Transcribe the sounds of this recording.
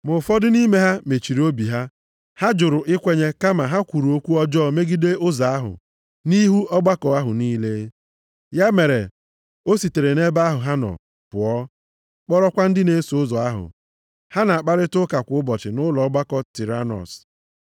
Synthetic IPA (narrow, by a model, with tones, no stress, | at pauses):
mʊ˨fɔ˦dʊ˦ni˦me˦ɦa˦me˨t͡ʃi˨ɾo˦bi˨ɦa˦ | ha˦d͡ʒʊ˨ɾʊ˨ʔɪ˦kʷe˦ɲe˦ka˦ma˨ɦa˦kʷu˨ɾu˨o˦kʷu˦ɔ˦d͡ʒɔ˦me˦ɡi˦de˦ʊ˦za˨a˦ɦʊ̰˨ | ni˦ɦu˦ɔ˦ɡ͡ba˦kɔ˨a˦ɦʊ˨niː˦le˦ | ja˦me˨ɾḛ˨ | o˦si˨te˨ɾe˨ne˦ba˦ɦʊ˨ɦa˦nɔ̰˨ | pʊ˨ɔ˦ | k͡pɔ˦ɾɔ˦kʷa˦n̩˦dɪ˦ne˦so˨ʊ˦zɔ˨a˦ɦʊ̰˨ | ha˦na˨a˨k͡pa˦ɾɪ˦tʊ˦ka˨kʷʊ˨˦ʊ˦bɔ˨t͡ʃɪ˨nʊ˦lɔ˨ɔ˦ɡ͡ba˦kɔ˨ti˨ɾa˦nɔ̰˨s